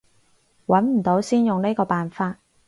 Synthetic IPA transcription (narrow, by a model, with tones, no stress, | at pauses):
wɐ˨˥nm̩˨˩t̪o˨˥wsiː˥njʊ˨ŋne˥kɔː˧paː˨nfaː˧t̚